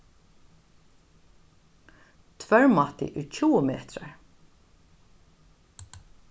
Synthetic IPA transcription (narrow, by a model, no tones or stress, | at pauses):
t̪ʰvœɹmat̪ɪ̰ʔɪɹcʰuːəmeːt̪ɹa̰ɹ